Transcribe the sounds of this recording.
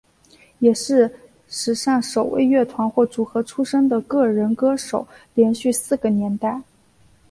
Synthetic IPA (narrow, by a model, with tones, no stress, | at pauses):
jɛ˨˩ʂɻ̩˥˩ | ʂɻ̩˨˩ʂɑ˥˩ŋʂo˨˩ʊwʔḛ˥˧ɪɥɛ˥˩t̪ʰwa˧˥nxwɔ˥˩ʈ͡ʂu˨˩xɤ˧˥ʈ͡ʂʰu˥ʂɤ˥ŋd̪ə˨kɤ˥˩ɻə˧˥nkɤ˥ʂo˨˩˦ʊljɛ˧˥nɕy˥˧sɹ̩˥˩ɡə˩njɛ˧˥nt̪a˥˩ɪ